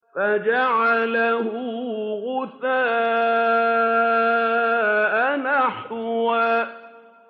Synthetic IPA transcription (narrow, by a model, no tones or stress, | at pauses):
fad͡ʒaʕalaɦʊɣʊθaː | ʔanaħʊwaː